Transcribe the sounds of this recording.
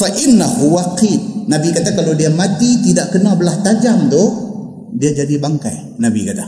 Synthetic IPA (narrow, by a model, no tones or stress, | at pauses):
faʔɪnːahuwaqit̪̚nabikat̪akalawdiamat̪it̪idaʔkənabəlaht̪ad͡ʒamt̪ʊh | diad͡ʒadibaŋka̰j | nabḭkat̪a